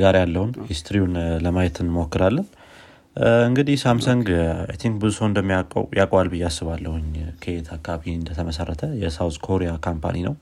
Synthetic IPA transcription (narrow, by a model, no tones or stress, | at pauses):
ɡaɾjalːəhunhist̪ʰɾiunləmajɛt̪ʰɨnmokːɨɾalːən | ɨŋɡɨd̪ihsamsəŋɡa̰jt̪ʰiŋk̚bɨzusəwɨnd̪əmːijakʼjakʼwalbɨjːasːɨβalːəhuɲkʰəet̪ʰakːaaβiɨnd̪ət̪ʰəməsarːət̪ʰəjɛsawskʰoɾijakʰampʰa̰ninə̰w